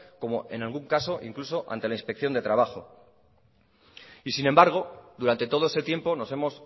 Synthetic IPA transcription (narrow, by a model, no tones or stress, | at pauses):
ko̞mo̞ʔe̞̰nalɣ̞uŋkaso̞ʔḭŋkluso̞ʔa̰nt̪e̞lainspe̞kθjo̞nd̪e̞t̪ɾaβ̞axo̞ | isinẽ̞mbaɾɣ̞o̞d̪uɾant̪e̞t̪o̞ð̞oe̞se̞t̪je̞mpo̞no̞se̞mo̞s